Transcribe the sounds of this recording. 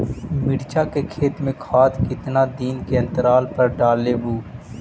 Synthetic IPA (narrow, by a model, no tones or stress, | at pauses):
mɪɽt͡ʃaːkekʰeːt̪mẽkʰaːt̪kɪt̪naːd̪iːnkeɐ̃nt̪əɾaːlpɐɾɖaːleːbuː